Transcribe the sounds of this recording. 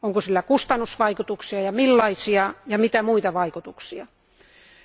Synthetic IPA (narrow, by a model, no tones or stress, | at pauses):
oŋkosilːækust̪ɑnːusʋɑikut̪uksiɑjɑmilːɑisiɑjɑmit̪æmuit̪ɑʋɑikut̪uksiɑ